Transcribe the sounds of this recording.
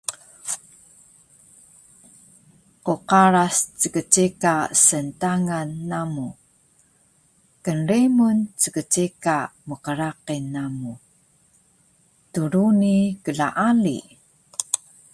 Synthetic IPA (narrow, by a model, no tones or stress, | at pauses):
quqaɾast͡səkət͡ɕikasəntaŋanːamu | kənrimunt͡səkət͡ɕikaməqəɾaqinːamu | tuɾunikəɮaʔalḭ